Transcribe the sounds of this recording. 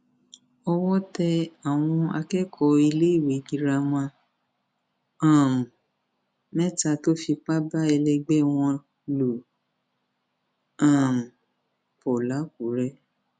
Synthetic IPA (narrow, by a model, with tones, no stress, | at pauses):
ɔ˧wɔ˦tɛ˧a˨w̃ɔ̃˧a˧kɛ˦kʰɔ˧i˧le˦i˦˨we˨˦ɡi˧ɾa˧mã˧˦ | ã˨m̩˨ | mɛ˦ta˧to˦fi˧k͡pa˦ba˦ɛ˧lɛ˧ɡ͡bɛ˦w̃ɔ̃˧ | lo˨ | ã˨m̩˨ | pɔ˨la˨˦k̚u˨˦ɾɛ˦